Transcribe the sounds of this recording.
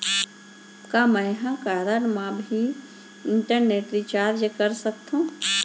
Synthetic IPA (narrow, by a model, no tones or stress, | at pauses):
kamɛ̃jɦãkaɾənmãbʱi | ɪɳʈəɾneːʈɾit͡ʃaːɾd͡ʒkəɾsəkt̪ũː